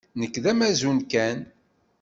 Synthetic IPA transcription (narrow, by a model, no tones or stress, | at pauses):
nəkːðæmæzunkæn